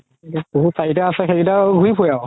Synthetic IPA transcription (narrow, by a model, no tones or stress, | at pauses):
iuboɦutsaitaasɛxeɡidaɡʱuipʰuja